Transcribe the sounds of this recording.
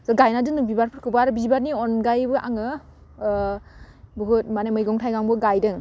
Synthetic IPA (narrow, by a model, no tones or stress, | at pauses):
zɔɡajnadɯnɯŋbibaɾpʰɯɾkʰɯbaɾbizibaɾniɔnɡajbɯʔa̰ŋɯ | bɯɦut̚manemɯjɡɔŋtʰajɡaŋbɯɡajdɯŋ